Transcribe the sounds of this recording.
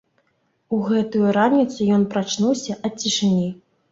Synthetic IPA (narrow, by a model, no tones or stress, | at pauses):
uɣɛt̪ujuɾanʲit̪sɨjɔnpɾat͡ʂnuwsʲɐʔɐt͡sʲːiʂɨnʲi